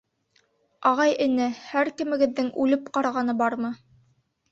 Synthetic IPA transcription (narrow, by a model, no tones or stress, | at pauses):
ɑʁɑjɘ̆nɘhæɾkɘ̆mɘ̆ɡɘ̆ðːɘŋʉlɘp̚qɑɾɑʁɑnɤbɑɾmɤ